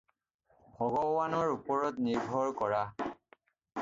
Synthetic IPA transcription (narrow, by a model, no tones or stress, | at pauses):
hɔɡɔwanɔɹupɔɹɔtniɹbʱɔɹkɔɹa